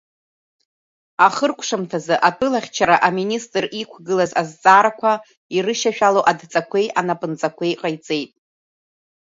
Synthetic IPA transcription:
aχərkʷʰʂamtʰazɨʔatʰɨlaχʲt͡ʃʰaɾaʔaministʼrikʷʰɡɨlazazt͡sʼaɾakʷʰa | irɨʃaʃᶣalowʔadt͡sʼakʷʰe̞jʔanapʼɨnt͡sʼakʷʰe̞jqʼajt͡sʼe̞jtʼ

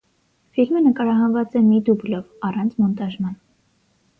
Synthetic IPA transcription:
filmənəkɑɾɑɦɑnvɑt͡sɛmid̪ublɔvɑrɑnt͡sʰmɔnt̪ɑʒmɑn

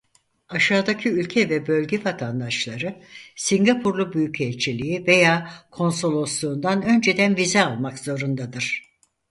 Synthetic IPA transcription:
aʃaːd̪acʰiylʲcʰɛvɛbø̞lʲɟɛvat̪ʰand̪aʃlˠaɾɯsiɲɡapʰuɾlˠubyjycʰɛlʲt͡ʃʰilʲijive̞jaːkʰo̞nso̞lˠo̞slˠuːnd̪anø̞nd͡ʒe̞d̪ænvizɛalˠmakz̥o̞ɾund̪ad̪ɯɾ̥

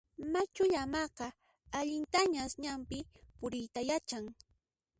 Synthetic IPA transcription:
mat͡ʃʊʎamɑqɑ | aʎɪnt̪aɲaːsɲampɪpʊɾɪjt̪ajat͡ʃaŋ

